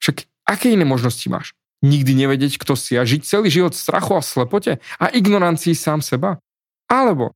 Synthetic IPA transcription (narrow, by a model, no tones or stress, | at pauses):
ʃak | ʔakɛːinɛːmɔʒnɔscima̰ːʃ | ɲiɡd̪iɲɛʋɛɟɪɛckt̪ɔsɪaʒict͡sɛliːʒiʋɔt̪fst̪ɾʔa̰xuaslɛpɔcɛaʔiɡnɔɾant͡sijisaːmsɛba | alɛbɔ̰